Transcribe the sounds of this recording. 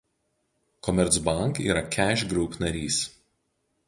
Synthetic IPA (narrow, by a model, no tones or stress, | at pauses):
kɔmʲɛɾt̪sbɐˑŋkḭːɾɐkʲæˑʃʲɡɾʊpnɐɾʲiːs